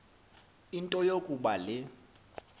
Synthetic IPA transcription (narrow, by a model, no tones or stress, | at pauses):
intʼɔjokʼuɓalɪ